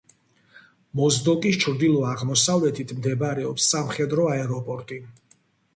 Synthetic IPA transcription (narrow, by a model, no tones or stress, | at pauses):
mɔzd̪ɔkʼist͡ʃʰɾd̪ilˠɔaʁmɔsavlɛt̪ʰit̪ʰmd̪ɛbaɾɛɔpsːamχɛd̪ɾɔaɛɾɔpʼɔɾt̪ʼi